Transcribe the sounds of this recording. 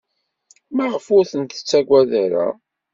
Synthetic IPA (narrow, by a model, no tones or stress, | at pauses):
maʁəfʊɾθənt̪ə̥t͡sːæɡʷæðæɾa̰